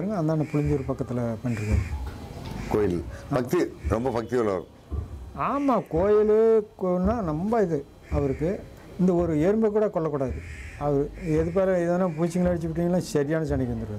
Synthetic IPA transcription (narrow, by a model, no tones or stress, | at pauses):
ɾɯŋɡɐɐnd̪ãːnɐpʊlɪɲd͡ʒuːɾɯpɐkːɐt̪ːɪlɐpɐnːɪɾɯkːaːðɯ | koːjɪlːpɐk̚t̪iɾɔmbɐpɐk̚t̪ɪɐlɐ̰ɾ | aːmaːkoːjɪlknːaːnɐmbaːɪðɯ | ɐʋɐɾɯkːɯ | ɪnd̪ɐɔɾɯeːɾmbɐk̬ːuːɽɐkɔɭːɐkːuːɽaːðɯɐʋɐɾɯɛðɯp̬eːlɐɪðenːaːp̬uːt͡ʃːɪŋɡɐɭɐɐɽɪt͡ʃːɯʋɪʈ̬ːiːŋɡɐlːãːsɐɾɪjaːnɐt͡ʃɐɳɪkʲːʋɐnd̪ɯɾɯkɯ